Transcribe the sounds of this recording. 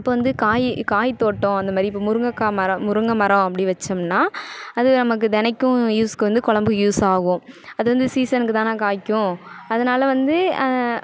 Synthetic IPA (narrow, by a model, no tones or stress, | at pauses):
ɪpːoːʋɐnd̪ɯkaːjkaːjt̪oːʈːõɐnd̪ɐmaːd̪ɾiɪpːoːmʊɾɯŋɡɐkːaːmɐɾɐmʊɾɯŋɡɐmɐɾɐ̃ɐpːɐɽiʋɐt͡ʃːɐmnaːɐðɯnɐmɐkːɯt̪ɛnɐkʲːʊ̃juːskːɯʋɐnd̪ɯkɔɭɐmbɯjuːsaːɣʊ̃ɐðɯʋɐnd̪ɯsiːsɐnkːɯt̪ãːnaːkaːkːʊ̃ɐðɐnaːlɐʋɐnd̪ɯ